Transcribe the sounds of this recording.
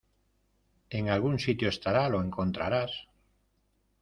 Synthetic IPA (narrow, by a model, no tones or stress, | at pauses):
e̞ŋalɣunsit̪joe̞st̪aɾalo̞e̞ŋko̞nt̪ɾaɾas